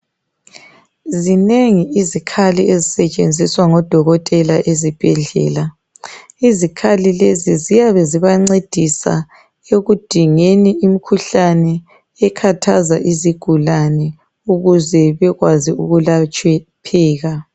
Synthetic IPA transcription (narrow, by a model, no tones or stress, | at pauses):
zineŋiizikʰaliezisɛt͡ʃʼend͡zʱiswaŋɔd̥ʱɔɣɔtʼɛlaʔezib̥ʱɛɮɛ̰ːla | izikʰalilezizijaβɛziβaŋ͡ǀed̥ʱisa̰ | eɣud̥ʱiŋeniimikʰuɬanɛː | kʰatʰazaʔiziɡ̥ʱulanɛ | uɣuzɛβɛɣwaziuɣulat͡ʃʼɛpʰɛːɣa